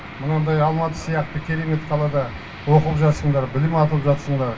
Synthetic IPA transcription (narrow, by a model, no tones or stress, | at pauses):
mənɑnd̪ɑjɑlˠmɑt̪ə̥sijɑqt̪əkʲʰe̞ɾeme̞t̪qʰɑlˠɑd̪ɑ | wo̞qəlˠəpʒɑt̪səɴd̪ɑɾbɪlɪmɑt̪əlˠəpʒɑt̪səɴd̪ɑɾ